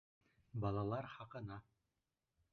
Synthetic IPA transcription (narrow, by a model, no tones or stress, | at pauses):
bɑlˠɑlˠɑɾχɑqɤ̆nɑ